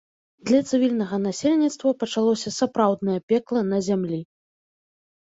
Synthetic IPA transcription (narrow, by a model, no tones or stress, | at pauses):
d̪lʲɐt̪sɨvʲilʲnɐɣɐnasʲelʲnʲit̪st̪vɐpɐt͡ʂalˠɔsʲɐsapɾawd̪nɐjɐpʲɛklˠɐnɐzʲamlʲi